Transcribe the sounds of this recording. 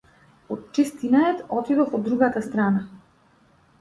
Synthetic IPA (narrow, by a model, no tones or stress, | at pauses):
ɔt̪̚t͡ʃɛst̪inaɛt̪ɔt̪id̪ɔfɔd̪ːɾuɡat̪ast̪ɾana